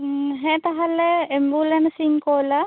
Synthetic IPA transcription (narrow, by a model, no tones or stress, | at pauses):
ɦɛ̃t̪aɦalɛembulɛnsiŋkɔla